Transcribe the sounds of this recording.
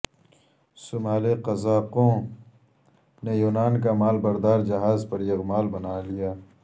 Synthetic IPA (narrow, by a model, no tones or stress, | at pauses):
sʊmaːleqɐzaːqõː | nejuːnaːnkamaːlbɐɾd̪aːɾd͡ʒɐɦaːzpɐɾjɐɣmaːlbɐnaːlijaː